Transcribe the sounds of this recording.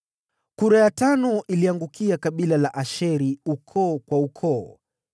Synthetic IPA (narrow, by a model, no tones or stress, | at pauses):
kuɾajatanɔʔiliaŋɡukiakaɓilalaʔaʃɛɾiukʰɔːkwaukʰɔː